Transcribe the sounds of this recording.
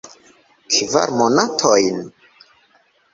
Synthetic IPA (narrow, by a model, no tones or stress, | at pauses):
kʰiva̰ɾmonatʰojn